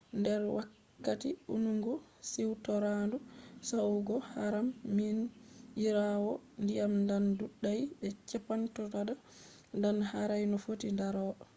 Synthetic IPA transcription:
ndɛɾwakː | atiṵnuŋɡusiwtɔɾandusawɡɔhaɾamːinjiɾawɔndijamndanduɗːajɓɛt͡ʃɛpantɔtada | ndanhaɾajnɔfotindaɾɔːɗɔ

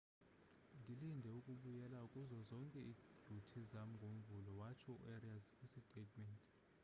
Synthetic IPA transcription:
ndʱilindʱɛukʼuɓujɛlaukʼuzɔzɔŋkʼɛidʱutʰizam̩ŋɡʱom̩vulɔwat͡ʃʰɔṵʔɛriazkʼusitʼetʰʼmɛntʼ

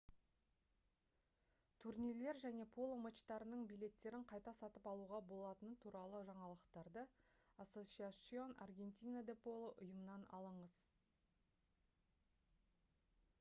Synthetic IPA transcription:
t̪ʰurnile̞ɾʒæne̞pʰo̞lˠomət͡ʃt̪ɑɾənəɴbijle̞t̪ːe̞ɾɪɴqʰɑjt̪ɑsɑt̪əpɑlˠuʁɑbo̞lˠɑt̪ənət̪ʰuɾɑlˠəʒɑɴɑlˠəqt̪ɑɾd̪əaso̞sʲiasio̞na̰rɡʲe̞nt̪ʲijnad̪epʰo̞lˠəʔʊjəmənɑnɑ̰lˠəɴəz̥

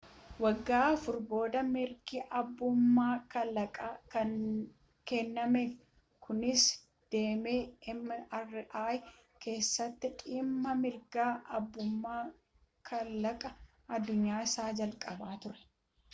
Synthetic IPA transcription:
wɐɡːaːɐfʊɾbo̞ːd̪ɐmɪɾɡiʔɐbːʊmːaːkɐlɐkʼakɐn | kɛnːɐmɛ | kʰʊnɪs | d̪̥e̞ːmeːɪmːɐʔɐrːɪʔaːj | ke̞ːsːɐt̪ːɪᶑʼiːmːɐmɪɾɡaːʔɐbːʊmːaː | kʰɐllːɐkʼɐ | ɐd̪ːʊɲːaːɪsaːd͡ʒɐlkʼɐbaːt̪ʊɾɛ̥

